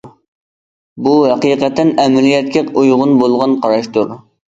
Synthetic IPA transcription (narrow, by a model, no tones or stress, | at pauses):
buɦɛqiːqɛt̪ʰːɛnɛmɪlijɛt̪̚kʲʰɪqujʁʊnbolˠʁɑnqʰɑɾɑʃt̪uɾ